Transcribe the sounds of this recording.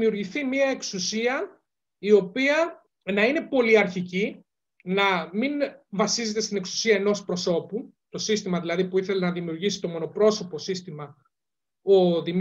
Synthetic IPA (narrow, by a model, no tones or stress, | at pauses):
miuɾʝiθimiɐe̞ksusiɐ | io̞piɐ | nɐine̞po̞liɐɾçici | nɐminvɐsize̞t̪e̞st̪ine̞ksu̥siɐeno̞spɾo̞so̞pu | t̪o̞sist̪imɐðilɐðipuiθe̞lenɐðimiuɾʝisi̥t̪o̞mo̞no̞pɾo̞so̞po̞sist̪imɐ | o̞ðim